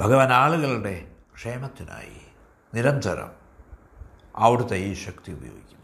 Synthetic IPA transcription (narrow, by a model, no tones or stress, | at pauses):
bʱɐɣɐʋɐːnaːɭuɣɐɭuɽe̞kʂe̞ːmɐt̪ːina̰ːjḭ | niɾɐnt̪ɐɾɐ̰m | ɐʋiɽut̪ɐjiɕɐkt̪iṵbʱɐjoːɡikʲːum